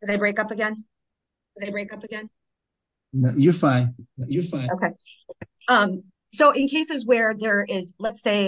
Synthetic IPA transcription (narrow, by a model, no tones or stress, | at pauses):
d̥ɨðeɪbɹeɪkʌpɨɡɛ̃n | d̥ɨðeɪbɹeɪkʌpɨɡɛ̃n | nojə˞fãɪ̃nojəfãɪ̃oʊkʰeɪ | ʌ̃m | soʊʔɨ̃nkʰeɪsɨzwə˞ðə˞ɪzlətseɪ